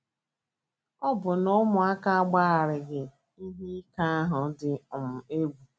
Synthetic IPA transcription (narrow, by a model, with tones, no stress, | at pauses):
ɔ˦bʊ˨nʊ˦mʊ˨a˦ka˦a˦ɡ͡ba˦a˨ɾɪ˨ɡɪ˨ | i˦ɦi˦ka˦a˦ɦʊ˨dɪ˨ʊ˨m̩˨e˦ɡu˨